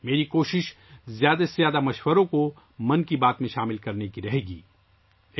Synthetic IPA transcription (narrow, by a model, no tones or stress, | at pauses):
meːɾikoːʃɪʃ | zjaːd̪azjaːd̪amɐʃwəɾõko | mɐ̃nkibaːt̪mẽʃaːmɪlkɐɾnekiɾɐɦeːɡḭː